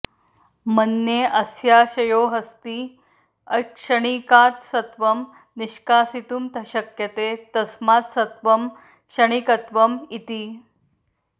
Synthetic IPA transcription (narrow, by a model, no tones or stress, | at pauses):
mənːjeʔɐsjaɕɐjoːɦəst̪iː | ɐkʂəɽ̃ikaːt̪sɐt̪ʋɐm | niɕkaːsit̪uːmt̪ʰɐɕɐkjɐt̪et̪ɐsmaːt̪sɐt̪ʋɐm | kʂɐɽ̃ikɐt̪ʋɐmit̪iː